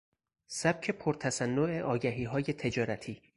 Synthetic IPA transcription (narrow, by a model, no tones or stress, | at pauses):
sæb̥̚cʰe̞pʰoɾt̪ʰæsænːoʔeʔɒːɟæɦiːɦɒːje̞t̪ʰe̞d͡ʒɒːɾæt̪ʰiː